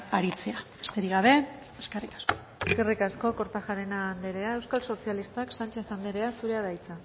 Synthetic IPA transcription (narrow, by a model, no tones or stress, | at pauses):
aɾit͡se̞aest̪eɾiɣaβe̞ | eskerikḁsko̥ | eske̞rikasko̞ko̞ɾt̪aʝaɾenaːnd̪e̞ɾe̞ae̞wskalso̞sialist̪aksant͡ʃe̞θand̪eɾe̞asuɾe̞aðajt͡sa